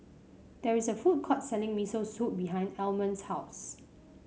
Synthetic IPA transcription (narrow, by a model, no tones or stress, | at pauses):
d̥ɛɹisəfut̚kʰɔtsɛlɪ̃ŋmisəsut̚biɦãɪ̃ndɛlmə̃nshaʊs